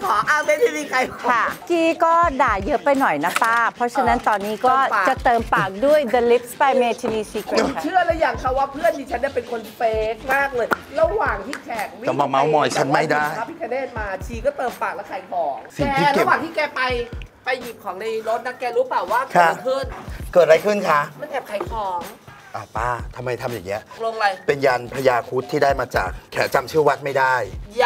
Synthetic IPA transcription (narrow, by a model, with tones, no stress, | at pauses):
kʰɔː˨˦ʔa˧˩ma˥˩ma˥˩miː˧kʰa˧jkʰɔ˦kʰa˥˩kiː˧kɔː˥˩daː˨˩jɤ˦˥pa˧jnɔ˨˩jna˦˥paː˥˩pʰɾɔ˦˥t͡ɕʰa˧na˦˥nt̪ɔː˧nːiː˦˥kɔː˧˩˥aː˨t͡ɕa˨˩t̪ɤː˧mpaː˨˩k̚du˥˩əjd̪ə˧li˦˥p̚spa˧jmeː˧t͡ɕʰi˧niː˧t͡ɕʰiː˧ka˧˦t͡ɕʰɯ˥˩əla˦˥ja˧˩ŋkʰa˧˩waː˥˩pʰɯ˥˩əndiː˧˩t͡ɕʰa˦˥ni˧˩pe˧nkʰo˧nfe˨˦k̚maː˥˩k̚lɤː˧jɾa˧waː˨˩ŋt̪ʰiː˥˩t͡ɕʰɛː˨˩k̚wi˦˨˥mɔ˧ma˦wmɔː˧jt͡ɕʰa˧˦˥nma˧˥˩jdaː˥˩jʰa˦˥pʰiː˦˥˩kʰaː˧deː˥˩t̪̚maː˧t͡ɕʰiː˧kɔ˥˩t̪ɤː˧mpaː˨˩k̚lɛ˦˥kʰaː˨˩jkʰɔː˩˦ŋsi˩ɛː˧i˦˥lake˧˨˩waː˨˩ŋt̪ʰiː˥˩kɛː˧pa˧jpa˧jːi˨˩p̚kʰɔː˩˦ŋna˧jɾo˦˥t̪̚na˦˥kɛː˧ɾu˦˥paː˨˩wːaː˥˩kʰːa˧˦˥pʰɯ˥˩ənkɤː˨˩t̪̚ɾa˧jkʰɯ˥˩nkʰa˦˥ma˥˨nt̪ʰɛː˨˩p̚kʰa˨˩jkʰɔː˨˩˦ŋ | ʔaː˨˩paː˧˥˩t̪ʰa˧mːa˧jt̪ʰa˧mjaː˨˩ŋːi˦˥ɐʔlo˧ŋla˧jpe˧njaː˧npʰa˧jaː˧kʰu˦˥t̪ʰːiː˥daː˥˩jmaː˧t͡ɕa̰ː˨˩k̚ʰːɛ̰ː˩˦t͡ɕa˧mt͡ɕʰɯ˥˩wa˦˥t̪̚ma˥˩jdaː˥˩j